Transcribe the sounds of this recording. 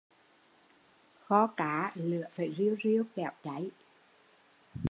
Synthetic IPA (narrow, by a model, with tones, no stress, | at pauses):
xɔ˧kaː˨˦lɨ̰˧˨əfaː˨˩jzi˧əwzi˧əwkɛ˧˩˨wt͡ɕa˨˦j